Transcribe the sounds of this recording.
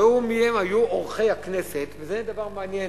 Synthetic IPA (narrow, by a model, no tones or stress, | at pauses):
umihemajuoʁχejhaknese̞tvezed̪avaʁmeanjen